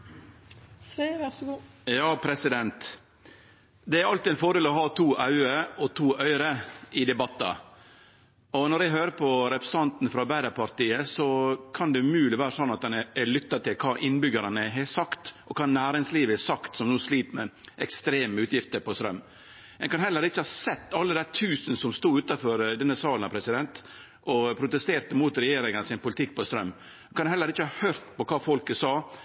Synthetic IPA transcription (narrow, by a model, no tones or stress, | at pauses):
sʋæsɡuːjɑːpʰɾɛsɪd̪ɛnt̪ | d̪ɛæɾɑlt̪ɪɛnfɔɖeːlɔɦɑːt̪ʰuːʔɑʉəɾɔt̪ʰuːʔœʏəɾəɪd̪ɛbɑt̪ːɑ̰ | ɔnɔɾɛɦøːɾəpʰɔɾɛpɾɛ̥sɑnt̪n̩fɾɑbæɪd̪əpʰɑɾt̪iːəsɔkʰɑnd̪ɛʉmʉːlɪʋæːɾəsɔnːɑt̪̚d̪ɛnɛɛlʏt̪ːɑt̪ɪlkʰɑːʔɪnːbʏɡəɾɑnəɦɛsɑkt̪ʔɔkʰɑːnæːɾɪŋsliːʋəɛsɑkt̪sɔmnuːsliːt̪mɛʔɛkst̪ɾeːməʉːt̪ʰjɪft̪əɾpɔst̪ɾœm | ɛnkɑnɦɛlːəɾɪçːəhɑːsɛt̪ːɑlːəd̪æt̪ʰʉːsənsɔmst̪uːʉːt̪ɑfɔɾd̪ɛnːəsɑːlənɑpʰɾɛsɪd̪ɛnt̪ | ʔɔpʰɾʊt̪ɛst̪eːɾt̪əmuːt̪ɾɛjeːɾɪŋənəsɪnpʊlɪt̪ʰɪkːpɔst̪ɾœmː | kʰɑnhɛlːəɾɪçːəhɑːhœɾt̪pɔkʰɑːfɔlkəsɑː